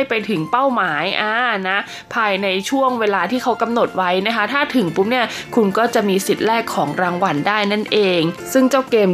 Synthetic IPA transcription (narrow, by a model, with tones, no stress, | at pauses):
jpa˧jt̪ʰɯ˩˦ŋpa˥˩wmaː˩˦jʔaː˧˩na˦˥ | pʰaː˧jna˧jt͡ɕʰu˥˩əŋweː˧laː˧t̪ʰiː˥˩kʰa˦˥wka˧mno˨˩t̪̚wa˦˥jna˦˥kʰa˦˥t̪ʰaː˥˩t̪ʰɯ˩˦ŋpu˦˥p̚ni˥˩ɐ | kʰu˧nkɔː˥˩t͡ɕa˨˩ʔmiː˧si˨˩t̪̚lɛː˥˩kʰːɔː˩˦ŋɾaː˧ŋwa˧ndaː˥˩jna˥˩nʔeː˧ŋsɯ˥˩ŋt͡ɕa˥˩wkeː˧m